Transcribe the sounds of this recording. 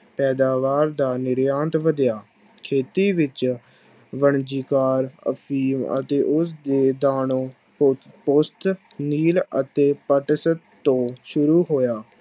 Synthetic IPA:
pɛːd̪aːʋaːɾd̪aːnɪɾjaːnt̪ʋəd̪jaː | kʰeːt̪iːʋɪt͡ʃ | ʋəɳd͡ʒiːkaːɾə̰pʰiːmə̰t̪eːʔʊsd̪eːd̪aːnõː | pʊst̪ | niːlət̪eːpəʈsə | t̪õːʃʊɾuːɦoːjaː

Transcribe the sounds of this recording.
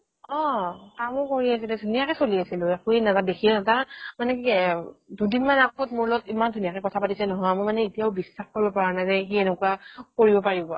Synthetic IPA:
ɔ̃kamʊkoɹiasilɛdʱunijakɛsoliasilʊakuɛnazadekʰiɛatamanɛ | dudinmanakʰɔtmoɹlɔtimandʱunijakɛkɔtʰapatisɛnɔɦɔjamɔmanɛitijaʊbisːaxkoɹibɔpaɹanajzɛxienʊkuakoɹibɔpaɹibɔ

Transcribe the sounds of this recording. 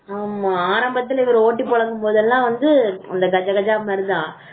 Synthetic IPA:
aːmaaːɾɐmbɐt̪ːɪlɐɪʋɐɾoːʈːipːɔɭɐŋɡɯmpoːðɛlːãːʋɐnd̪ɯɐ̰nd̪ɐɡɐd͡ʒɐɡɐd͡ʒaːmaːɾɯd̪ãː

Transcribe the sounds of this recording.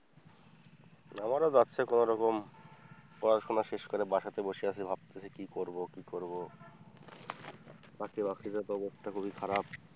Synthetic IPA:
namaɾad̪aːɕʰekonoɾɔkom | pɔɾaʃonaʃeʃkoɾebaʃat̪eboʃeat͡ɕʰebʱab̚t̪et͡ɕʰekikoɾbokikoɾbo | t̪akebakɾid͡ʑat̪oɔbost̪ʰakʰubikʰaɾab̚

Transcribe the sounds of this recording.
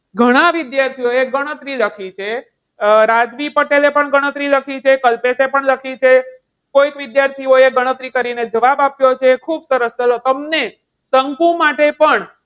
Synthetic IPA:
ɡʱəɽ̃aʋɪd̪jaɾt̪ʰioeɡəɽ̃ət̪ɾiləkʰit͡ʃʰe | ɾad͡ʒʋipəʈelepəɳɡəɽ̃ət̪ɾiləkʰit͡ʃʰekəlpesepəɳləkʰit͡ʃʰe | koit̪ʋɪd̪jaɾt̪ʰioeɡəɽ̃ət̪ɾikəɾined͡ʒəʋabapjot͡ʃʰekʰubsəɾəst͡ʃəlot̪əmne | səŋkũmaʈepəɳ

